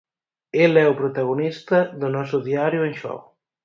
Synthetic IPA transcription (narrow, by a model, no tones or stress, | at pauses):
elɛupɾut̪aɣunist̪əðunɔsuðiaɾjuenʃɔ̰w